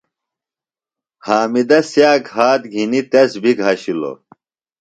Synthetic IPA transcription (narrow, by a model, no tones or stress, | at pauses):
haːmid̪ɐsjaːkhaːt̪ɡʱinit̪ɐsbikɦɐɕilo̰